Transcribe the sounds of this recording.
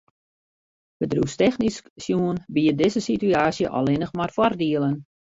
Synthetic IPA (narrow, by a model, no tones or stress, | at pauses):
bədrustɛxnisksjuənbiədɪzəsityaːsjə̰ʔɔ̰lˠɪnəxmarfɔrdiələn